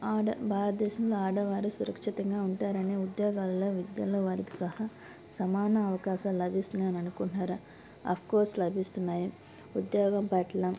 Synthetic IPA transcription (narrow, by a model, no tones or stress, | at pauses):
aːɖɐbʱaːɾɐt̪̚d̪ɛːʃɐmloːaːɽɐʋaːɾusuɾɐkʂit̪ɐŋɡaːuɳʈaːɾɐneːud̪joːɡaːllo̞ːʋid̪jɐloːʋaːɾiki̥sɐhaː | sɐmaːnɐːʋɐkaːʃɐːmlɐbʱist̪unːaːnɐnukuɳʈaːɾɐ | ɐ̰pʰkoːɾslɐbʱist̪unːaːji | ud̪joːɡɐmpɐʈɐlɐm